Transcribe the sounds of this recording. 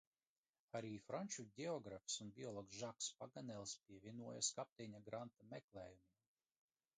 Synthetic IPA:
aɾiːfɾanʲt͡ʃuɟʲɛɔɡɾafsunbʲiɔlˠɔksʒakspaɡanɛlˠspʲiɛvʲiɛnuɔjaskap̚t̪ʲɛɲaɡɾant̪amɛklˠɛːjumʲim

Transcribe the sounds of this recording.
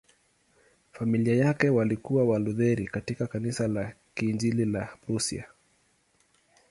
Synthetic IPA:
familiajakɛwalikuwawaluðɛɾikatikakanisala | kind͡ʒililaɾusḭa̰

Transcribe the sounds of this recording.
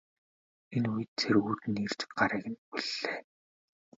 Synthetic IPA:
enujɘ̆t̪t͡sʰeruːt̪ɘ̆nir̥t͡ɕɪ̥̆k̚ɢaɾiːɣɘ̆npiɮːeː

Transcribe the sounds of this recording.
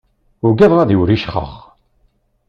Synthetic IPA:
ʊɾɡæðˤʁɑðiwɾiʃχə̰χ

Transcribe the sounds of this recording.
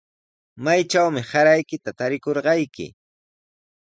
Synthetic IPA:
majt͡ʃawmɪsaɾajkɪt̪at̪aɾɪkoɾɢɑjkɪ̰

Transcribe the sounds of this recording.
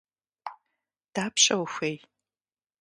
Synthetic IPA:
d̥aːpʰɕʼɐwxʷej

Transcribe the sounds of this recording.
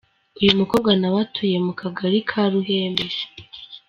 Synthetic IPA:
ujumuko̞ːβɡwanaβatʰuje̞mukʰaɡaɾikʰaɾuɦeːmbeʒe̥

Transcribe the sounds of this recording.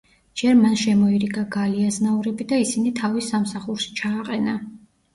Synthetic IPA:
d͡ʒɛɾmanʃɛmɔiɾiɡaɡaliaznauɾɛbid̪aisinit̪ʰavisːamsaχuɾʃi̥t͡ʃʰaːqʼɛna

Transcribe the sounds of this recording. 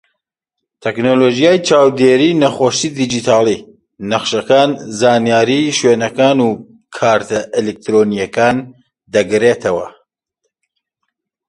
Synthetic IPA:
t̪ʰɛknolod͡ʒijaːjt͡ʃaːwd̪eɾiːnɐχoːʃid̪id͡ʒit̪ʰaːlˠi | nɐχʃɐkaːnzaːnijaːɾiʃweːnɐkaːnuː | kʰaːɾt̪ʰɐʔelek̚t̪ɾonijɐkaːn | d̪ɐɡɾeːt̪ʰɐwɐ

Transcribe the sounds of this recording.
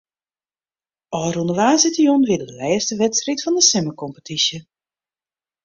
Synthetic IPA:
ɔːrunəʋaːzɪtəjonʋɪdəəlɛːstəʋɛtsritfɔndəsɛməkɔmpətʰisjə

